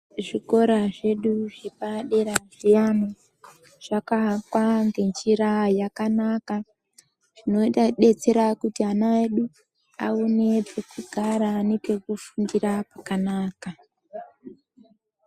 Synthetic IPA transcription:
ʐiko̞ɾaʐe̞ɗuʐepaɗe̞ɾanʐijamo | ʐ̥akakwaŋɡe̞nt͡ʃiɾajakanaka | ʐ̥ino̞itaɗe̞t͡se̞ɾakutianaeɗu | aone̞pekuɡʱaɾaːnepe̞kufundiɾapakanaːka

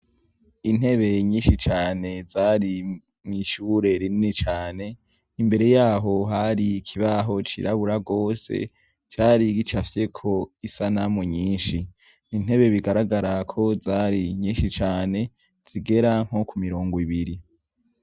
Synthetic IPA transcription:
in̥e̞βe̞ɲĩːnʃit͡ʃaːne̞zaːɾi | mŋiʃuːɾe̞ɾininit͡ʃaːne̞ | imbe̞ɾe̞jaːɦo̞ɦaɾiːkʰiβaɦo̞t͡ʃḭɾaβuɾaɡo̞ːse̞̰ | t͡ʃaːɾiɡit͡ʃafje̞kʰo̞isanamuɲiːnʃi | nin̥he̞βe̞βiɡaɾaɡaɾakʰo̞zaːɾiɲiːʃit͡ʃaːne̞ | z̥iɡe̞ɾaŋ̥o̞kumiɾo̞ːŋɡoiβiɾi

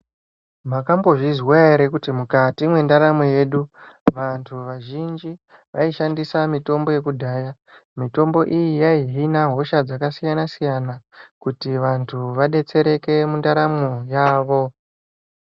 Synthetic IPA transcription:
makambo̞ʐizwaeɾekutimukatimwe̞ndaɾamoje̞ːɗuʋantʰuʋaʒind͡ʒi | ʋʔaiʃandisamito̞mbo̞je̞kudʱaːja | mito̞mbo̞ʔijijaiɦinaɦo̞ʃad͡zakasijanasijanakutiʋantʰuʋaɗe̞t͡se̞ɾe̞ke̞mundaɾamojaːʋo̞

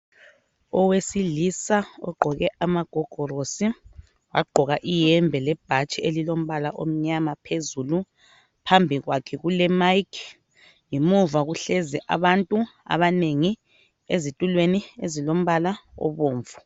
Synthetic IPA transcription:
ɔwesilisaɔ̰ɡ͡ǃʱɔɣɛamaɡ̥ʱɔɡ̥ʱɔrosi | waɡ͡ǃʱɔɣaʔijɛmbʱɛlɛb̥ʱat͡ʃʼielilom̩βalaʔom̩ɲamapʰezulu | pʰambʱiɣwakʰɛɣulɛmajkʰ | ŋimuvaɣuɬɛzɛʔa̰βantʼua̰βaneŋi | ezitʼulweniezilom̩βalaɔ̰βoːɱvu

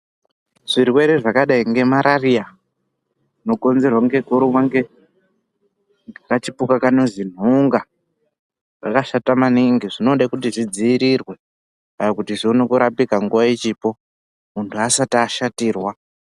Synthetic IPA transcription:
ʐ̥irwe̞ɾeʐakaɗaiŋɡe̞maɾaria | no̞ko̞nze̞rwaŋɡe̞koɾumwaŋɡe | akat͡ʃipukakanozin̤uŋɡa | ʐa̰kaʃatamaniŋɡiʐino̞ɗakut̬iʐid͡ziːɾirwe̞ | ajokutiʐionekuɾapikaŋɡuʋait͡ʃipo̞ | muntʰuasataːʃatiːrwa

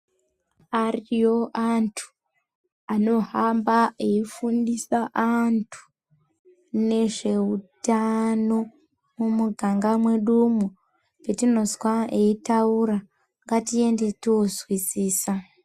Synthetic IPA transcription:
arijo̞ʔantʰu̥ | ano̞hambaeifundisaʔantʰu̥ | ne̞ʐe̞utano̞ | mumuɡʱaŋɡamweɗumu | petino̞zwaeitawuɾa | ŋɡatije̞nde̞tiozwisiːsa

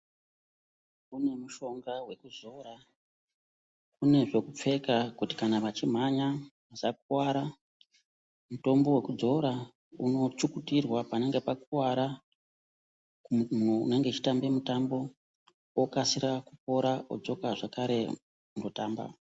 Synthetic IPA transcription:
kune̞muʃo̞ŋɡawe̞kud͡zo̞ɾa | kune̞ʐo̞kup͡fe̞kakuti̥kanaʋat͡ʃim̤aɲa | asak̚uwaɾa | muto̞mbo̞we̞kud͡zo̞ɾa | uno̞t͡ʃukutirwapane̞ŋɡe̞pakuwaɾa | neŋɡe̞t͡ʃi̥tambe̞mutambo̞ | okasiɾakup̚o̞ɾaod͡zo̞kaʐakaɾe̞ | uno̞taːmba̰

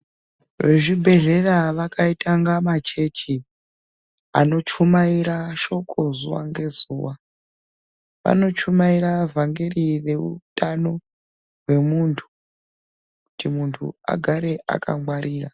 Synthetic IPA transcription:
ʋe̞ʐibʱe̞ɮe̞raʋakʰaitaŋɡamat͡ʃe̞t͡ʃi | ano̞t͡ʃumaiɾaʃo̞kʰo̞zuwa̰ŋɡe̞zuːwa | ʋa̰no̞t͡ʃumairavʱaŋɡerire̞utano̞ | ɦwe̞muntʰu̥ | kutimuntʰṵa̰ɡʱaɾe̞ʔa̰kʰa̰ŋwaɾiːra

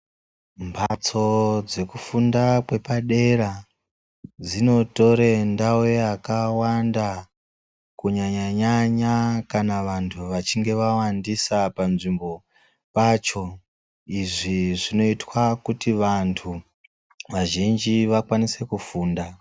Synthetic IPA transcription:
mbʰat͡so̞d͡ze̞kufundakwe̞paɗe̞ɾa | d͡zino̞to̞ɾendaweakawanda | kuɲaɲaɲaɲakanaʋantʰuʋat͡ʃiŋɡe̞ʋawandisapanʐimbo̞ | paːt͡ʃo̞ | iʐiʐino̞itwakutiʋantʰu | ʋaʒind͡ʒiʋakwanise̞kufuːnda

